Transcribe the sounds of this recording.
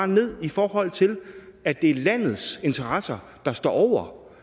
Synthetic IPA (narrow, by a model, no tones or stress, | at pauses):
ne̝ð̰ˠifɒːɦɒ̽l̰t͡sʰe̝læd̥e̝æɐlæn̰ð̞̩ˠse̝nt͡sʰɐʁɑsɐ | d̥ɑ̈sd̥ɒ̰ːʔɒʊ̰ɐ